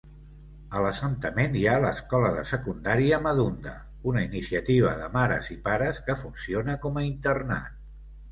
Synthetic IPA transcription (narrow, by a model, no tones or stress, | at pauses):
ələsənt̪əmenjaləskɔləðə̰səkund̪aɾiəməðund̪ə̰ | unəinisiət̪iβ̞əðəmaɾə̰zipaɾəskəfunsionəkɔməint̪ərna̰t̪